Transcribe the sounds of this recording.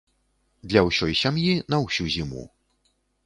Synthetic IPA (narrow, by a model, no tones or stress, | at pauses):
d̪lʲɐwsʲɔjsʲamjinɐwsʲuzʲimṵ